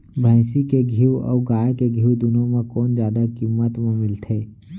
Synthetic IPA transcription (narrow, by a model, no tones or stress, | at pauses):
bʱãɪsikeɡʱiːwɔ̰ːɡaːjkeɡʱiːwd̪ʊnõmẽkɔːnd͡ʒjaːd̪akimːət̪mẽmɪlt̪ʰeː